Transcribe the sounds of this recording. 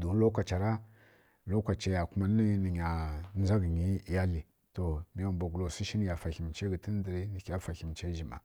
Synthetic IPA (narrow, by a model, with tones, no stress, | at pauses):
du˨˦lo˦kʷa˨t͡ʃa˨ɾa˦ | lo˦kʷa˨t͡ʃa˦ja˨ku˦ma˦n˦i˦ni˨ɲa˨n˦za˦ɡɲi˦˨˦ja˦li˨ | to˨mi˨ja˨mba˨ɡu˨lo˨si˦ʃi˦n˦ja˨fa˨xi˨m˨t͡ʃe˦ɡi˨ti˦n˦di˨ɾi˦ni˨ka˦fa˨xi˨m˨t͡ʃe˦ʒi˨ma̰˨